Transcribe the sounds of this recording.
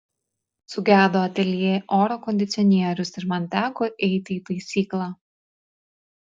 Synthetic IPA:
sʊɡʲæːd̪oːɐt̪ʲɛlʲjeːʔoːɾɔkɔnʲd̪ʲɪt̪sʲɪɔnʲiɛɾʲʊsɪɾmɐnʲt̪ʲæːkoʔɛɪt̪ʲɪːt̪ɐɪsʲiːklˠɑː

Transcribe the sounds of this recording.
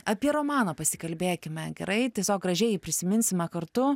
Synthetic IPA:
ɐpʲiɛɾoːmɑːnɐːpɐsʲɪkɐlʲbʲeːkʲɪmʲɛɡʲɛ̰ɾɐɪt̪ʲiɛsʲoːk̚ɡrɐʒʲɛɪpʲɾʲɪsʲɪmʲɪnʲsʲɪmʲɛkɐɾt̪ʊ

